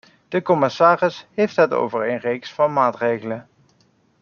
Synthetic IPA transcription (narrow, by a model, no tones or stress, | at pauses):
d̥əkɔmɪsaːrɪsɦejftɦəto̰wvəɹenrejksfɑnmaːtrejɣələ